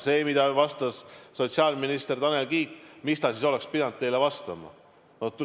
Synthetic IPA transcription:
se̞ːmid̪̥ɑvɑst̪ɑsːo̞t̪ʲsiɑːlminist̪e̞rt̪ɑne̞lɡiːkːˑmist̪ɑsis̬o̞le̞kspid̪ɑnd̪t̪e̞jlevɑst̪ɑmɑ̰ | not̪

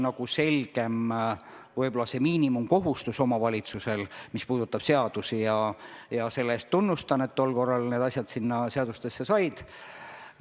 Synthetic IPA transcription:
nɑɡ̥use̞lʲɡ̥e̞m | vɯjbo̞lːɑse̞miːnimumko̞ɦust̪uso̞mɑvɑlʲit̪suse̞lmispuːd̪̥ut̪ːˑɑb̥se̞ɑd̪̥usijɑjɑse̞lːe̞ːst̪ːunːust̪ɑnet̪ːo̞lko̞rːɑlne̞ːd̪̥ɑsʲjɑd̪̥sinːɑse̞ɑd̪̥ust̪e̞sːe̞sɑjd̪̥

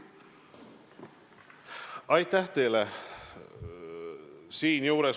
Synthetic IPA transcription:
ɑjt̪ːæht̪e̞jle | siːnjuːɾes

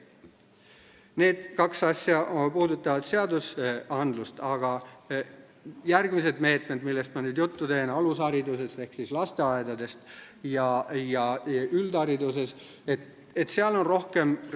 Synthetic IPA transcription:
ne̞ːd̪̥kɑksɑsʲjɑpuːd̪ut̪ːˑɑvɑd̪̥se̞ɑd̪usɑnd̪lust̪ɑɡ̥ɑ | jærɡ̥mis̬e̞d̪me̞ːt̪ˑme̞d̪milːest̪mɑnyːd̪̥jut̪ːut̪e̞ːnɑlusɑɾid̪use̞st̪e̞hksislɑst̪e̞ɑed̪ɑd̪e̞st̪ | jɑjɑyld̪ɑɾid̪use̞s | et̪ | et̪seɑlo̞nro̞hke̞m

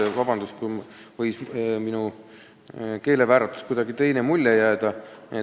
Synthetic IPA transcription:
evɑbɑnd̪̥uskuvɤjsminu | ke̞ːle̞væːɾɑt̪ːˑu̥skujd̪ɑɡit̪e̞jnemulʲːejæːd̪ɑe

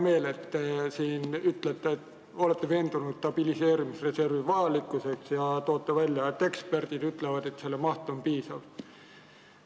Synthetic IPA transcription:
me̞ːle̞t̪ːesiːnyt̪let̪ːˑet | o̞le̞t̪ːe̞ve̞ːnd̪̥unud̪̥t̪ɑb̥ilise̞ːɾimisre̞se̞rvivɑjɑlikːˑuse̞ksjɑt̪o̞ːt̪ːevælʲjɑet̪ːe̞kspe̞rd̪̥id̪yt̪levɑd̪̥e̞t̪se̞lːemɑht̪ompiːsɑv

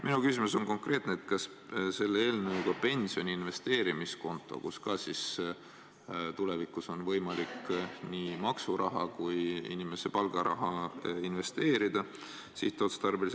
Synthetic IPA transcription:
mʔinukysʲimuso̞nko̞ŋkre̞ːt̪neːt̪kɑs | se̞lːeeːlnɤwuɡ̥ɑpe̞nʲsio̞nʲiinve̞st̪e̞ːɾimisko̞nt̪ːˑo̞̰kuskɑsis | t̪ule̞vikːˑuso̞nvɤ̞jmɑliknimɑksuɾʔɑɦɑkujḭnʲime̞se̞pɑlɡ̥ɑɾɑ̰ɦɑinve̞st̪e̞ːɾid̪̥ɑ | siht̪ːˑot̪st̪ɑrbelis

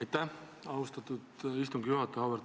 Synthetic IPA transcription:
jt̪ːæh | ɑust̪ɑt̪ːˑud̪̥ist̪uŋɡ̥juɦɑt̪ːˑeɑveɾ

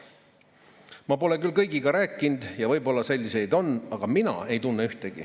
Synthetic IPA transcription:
mɑpo̞le̞kylkɤjɡiɡɑɾæːkːˑind̪̥jɑvɤjbo̞lːɑse̞lʲːise̞jd̪o̞nːɑɡ̥ɑminɑ̰e̞jt̪unːeyht̪e̞ɡ̥ḭ

